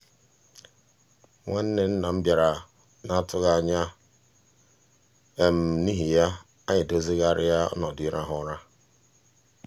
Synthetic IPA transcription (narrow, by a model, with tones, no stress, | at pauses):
ŋʷe˦n̩˦ne˨n̩˦na˨m̩˦bja˨ɾa˨ | na˦tʊ˦ɣa˦˨ɲa˦ | e˨m̩˨ni˦ɦi˨ja˦ | a˦ɲɪ˨do˦zi˦ɣa˦˨ɾɪ̰˦ja˦ɔ̰˦nɔ˨dʊ˦i˦ɾa˦ɦʊ˦ɾa˦